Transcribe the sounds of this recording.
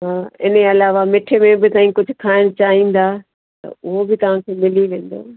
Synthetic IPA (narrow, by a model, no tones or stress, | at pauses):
ɦaːɪneɐlaːʋamɪʈʰemẽbɪt̪ãːĩkʊd͡ʑʱʊkʰaːɪɽ̃t͡ɕaːɦĩːn̆d̪aː | t̪ɐ̰ʊɦobɪt̪ɐʋ̤ãkʰeːmɪliʋẽːn̆d̪o̰ː